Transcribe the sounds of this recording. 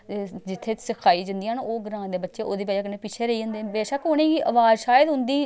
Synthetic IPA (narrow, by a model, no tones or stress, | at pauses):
d͡ʒɪt̪ʰːeːsəkʰaːiːd͡ʒənd̪iːanoːɡəɾãːd̪eːbətːʃeːʔoːd̪eːpaːd͡ʒakəneːpɪt͡ʃʰeːɾəiːə̃ːnd̪eːbɛːʃəkʊneːɡiːʔəʋaːd͡ʒʃaːjəd̪ɦʊ̃nd̪iː